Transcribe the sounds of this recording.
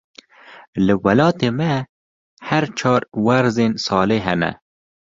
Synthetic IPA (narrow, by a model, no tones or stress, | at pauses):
ləwalɑːt̪ema | haɾt͡ʃʰɑːɾwaɾzensɑːleɦænæ̰